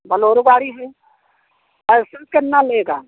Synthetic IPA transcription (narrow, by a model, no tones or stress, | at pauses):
bɐloːɾuɡaːɽiɦɛ | ɐsɪɾkenaleːɡaː